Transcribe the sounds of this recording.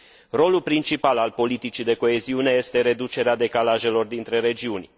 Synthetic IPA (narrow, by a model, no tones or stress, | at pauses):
ro̞lulpɾint͡ʃipalalpo̞lit̪it͡ʃid̪e̞ko̞e̞ziune̞je̞st̪e̞ɾe̞d̪ut͡ʃe̞ɾead̪e̞kalaʒe̞lo̞rd̪int̪ɾe̞ɾe̞d͡ʒiunʲ